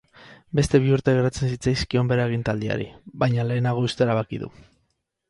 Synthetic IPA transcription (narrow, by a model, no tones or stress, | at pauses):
be̞st̪e̞β̞iuɾt̪e̞ɣeɾat͡se̞nsit͡sajskio̞mbe̞ɾaeɣ̞int̪ald̪ia̰ɾḭβajɲale̞ːnaɣ̞o̞ust̪e̞eɾaβ̞akiðṵ